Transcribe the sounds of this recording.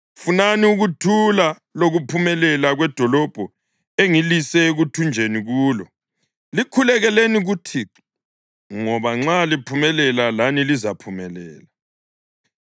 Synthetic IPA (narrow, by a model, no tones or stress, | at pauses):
funaniuɣutʰula | loɣupʰumɛlɛlaɣwɛd̥ʱɔlɔb̥ʱɔ | eŋilisɛɣutʰund͡ʒʱeniɣuːlɔ | likʰulɛɣɛleniɣutʰiǁ | ŋɔβaŋ͡ǁalipʰumɛlɛlalanilizapʰumɛlɛ̰ːla